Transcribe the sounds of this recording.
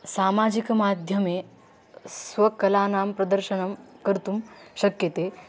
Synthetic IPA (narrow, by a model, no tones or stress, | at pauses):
saːmad͡ʒikmaːd̪ʱjɐme | sʋɐkɐlaːnaːmpɾɐd̪əɾʃəɳɐmkɐɾt̪uːmɕɐkjɐt̪eː